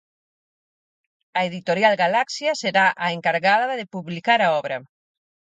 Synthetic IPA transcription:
ɐeðit̪oɾjalɣalaksjaseɾaʔaeŋkaɾɣaðaðaðepuβlikaɾaɔβɾa

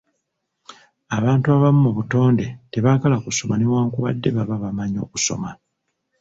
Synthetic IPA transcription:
aβaːntuaβamumuβuto̞ːnde̞te̞βakalakuso̞manemwaːŋkuβa̰dːe̞βaβaβamaɲo̞̰ːku̥so̞̰ma

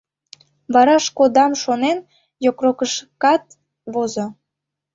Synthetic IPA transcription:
βɑɾɑʃkod̪ɑmʃonen | jokrokəʃkɑt̪ | βozo

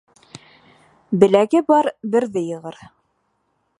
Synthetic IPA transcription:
bɘ̆læɡɘbɑɾbɘ̆ɾðɘjɤ̆ʁɤɾ

